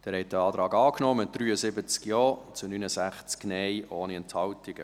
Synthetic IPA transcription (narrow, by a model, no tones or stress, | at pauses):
d̥æːɾhɛt̚d̥əɑːdɾɑːɡɑːknɔmət̚d̥ɾyːəzɪbət͡skjɔːt͡sunynəzæχt͡sknɛjʔoːniɛnthɑltɪɡ̥ə̰